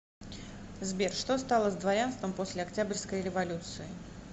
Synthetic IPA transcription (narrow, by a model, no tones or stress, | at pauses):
zbʲerʂt̪o̞st̪alˠəzd̪vɐɾʲanst̪vəmpo̞sʲlʲɪɐktʲabʲrʲskəjɾʲɪvɐlʲut̪sɨɪ